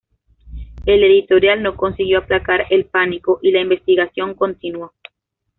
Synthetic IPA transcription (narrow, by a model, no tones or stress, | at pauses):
e̞le̞ðit̪o̞ɾjalno̞ko̞nsiɣjo̞aplakaɾelpaniko̞ʔilaimbe̞st̪iɣasjo̞ŋko̞nt̪inwo